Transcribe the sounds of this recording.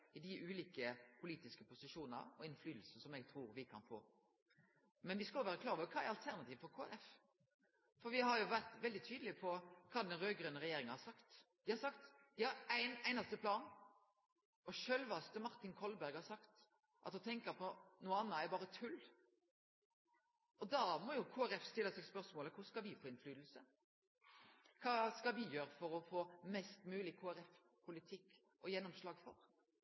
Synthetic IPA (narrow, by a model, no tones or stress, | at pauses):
ɪd̪ɪʔʉːliːkəpʰʊliːt̪ɪskəpʊsɪʃuːnənɑ̰ɔɪnflyːd̪l̩sn̩sɔmɛɡ̚t̪ʰɾuːɾʋɪkʰɑ̰nfo̰ː | mɛnʋɪskɑlːʊʋæːɾəkʰlɑːɾəʋɔkʰɑːæɾɑlt̪ʰæʁnɑt̪iːʋfɔɾkʰoːɛ̰lɛf | fɔɾʋɪɦɑɾjʊʋæʁt̪ʋɛld̪ɪt̪ʰyːd̪l̩ɪpʰɔkʰɑːd̪ɛnɾøːɡɾœːnəʁɛjeːɾɪŋɑhɑɾsɑkt̪d̪̥ɪhɑɾsɑkt̪d̪̥ɪhɑɾæɪnæɪnɑst̪əpʰlɑːn | ɔʃølʋɑst̪əmɑʁt̪ɪnkʰɔlbæɾɡhɑɾsɑkt̪ | ʔɑt̪hʊt̪ʰɛŋkəɾpʰɔnuːɑnːɑæɾbɑːɾət̪ʰʉl | ɔd̪ɑmɔjʊkʰuːæɾɛfst̪ɪlːəsɛɡspœɾsmoːləkʰʊskɑʋɪfoːɪnflyːd̪l̩sə | kʰɑːskɑʋɪjøːɾəfɔɾɔfoːmɛst̪mʉːlɪkʰoːæɾɛf | pʰʊlɪt̪ʰɪkː | ʔɔjɛnːɔmslɑːɡfɔɾ